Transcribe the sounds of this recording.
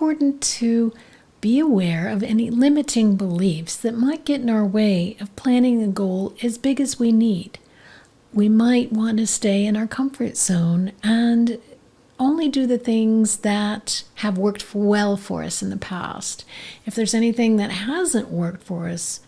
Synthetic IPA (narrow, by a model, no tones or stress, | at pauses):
pʰɔɹʔn̩tʰɨ | b̥iɨwɛɹʌvɛnilɪ̃mɨɾɪ̃ŋbəlifsðɨt̚maɪt̚ɡ̥ɛɾɪ̃naʊə˞weɪʌv̥pʰl̥æ̃ñɪ̃ŋðɨɡoʊlˠɨzbɪɡɨzwinid̥ | wimaɪt̚wɑ̃ntɨsteɪɨ̃naʊə˞kʰʌ̃ɱfə̰˞tz̥õʊ̃nɨ̃n | õʊ̃nlidɨðɨθɪ̃ŋzðɨt̚hɨvwɜ˞k̚twɛlˠfə̰˞ʌ̰sn̩ðəpʰæ̰stɨfðə˞zɛñiθɪ̃ŋðɨt̚hæzɨ̃nʔwɜ˞k̚tfə˞ʌs